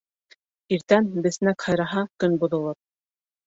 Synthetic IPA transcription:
iɾt̪ænbɘ̆θnækhɑjɾɑɦɑkɵnbŏðŏlˠɤp̚

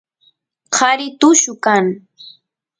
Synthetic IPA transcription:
qʰɑɾɪt̪ʊʃʊkaŋ

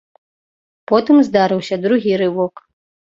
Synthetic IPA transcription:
pɔt̪ɨmzd̪aɾɨwsʲɐd̪ɾuɣʲiɾɨvɔk

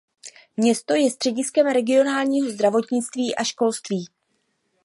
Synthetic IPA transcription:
mɲɛst̪o̞jɛst̪r̝̥ɛɟɪskɛmɾɛɡɪo̞naːlɲiːɦo̞zd̪ɾavo̞t̪ɲɪt͡st̪viːʔaʃko̞lst̪viː

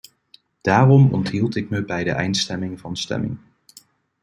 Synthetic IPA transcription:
d̥aːrɔmɔ̰ntɦilˠtɪk̚məbɛjdəʔɛjntstɛmɪŋvɑnstɛ̰mɪ̰ŋ

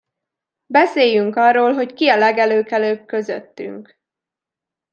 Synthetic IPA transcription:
bɛseːjyŋkɒrːoːlɦo̞ckiɒlɛɡɛløːkɛløːb̚kø̞zø̰t̪ːy̰ŋk

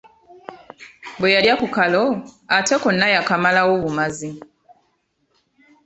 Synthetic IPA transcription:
bwejaljakukaloatʰe̞konːajakamalawoβumazi

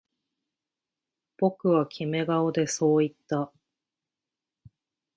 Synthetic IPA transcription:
b̥o̞kɯ̟βakʲʰime̞ɡao̞d̪e̞so̞ːit̪ːa

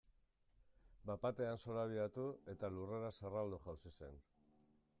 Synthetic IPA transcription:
bapat̪e̞anso̞ɾaβ̞iat̪ue̞t̪alure̞ɾaserald̪uʝawsise̞̰n

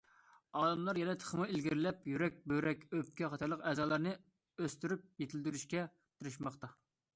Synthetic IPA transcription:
ɑːd̪ɑmlˠɑɾjɛnɛt̪ʰə̥χəmɨɪlɡʲiɾlɛpjyɾɛk̚ʲbøɾɛkʲøpkʲɛχɑt̪ʰɑɾlˠəqɛːzɑːlˠɑɾnɨ | øst̪yɾyp̚jet̪ʰɪld̪yɾyʃkʲɛ | t̪ʰɨɾɨʃmɑχt̪ɑ

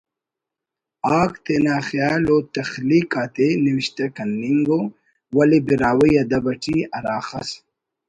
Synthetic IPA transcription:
aːkt̪enaːxjaːlot̪ɐxlikaːt̪eniwiɕt̪ɐkɐnːiŋɡo | wɐlebiɾaːwəjɐd̪ɐbɐʈʰiɐɾaːxɐs

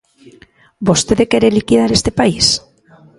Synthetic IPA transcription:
bost̪eðekeɾelikið̞aɾest̪epais

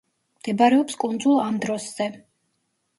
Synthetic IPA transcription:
md̪̥ɛbaɾɛɔpskʼund̪zulˠamd̪ɾɔsz̥ɛ

